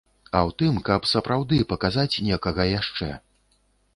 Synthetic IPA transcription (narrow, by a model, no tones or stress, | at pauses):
ɐwt̪ɨmkɐpsɐpɾawd̪ɨpɐkazat͡sʲnʲɛkɐɣɐjaʂt͡ʂɛ̰